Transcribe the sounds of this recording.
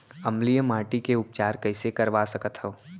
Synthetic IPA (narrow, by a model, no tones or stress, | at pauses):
ɐmlijəmaːʈikeʊp̚t͡ʃaːɾkɐɪsekɐɾʋasɐkət̪ɦõː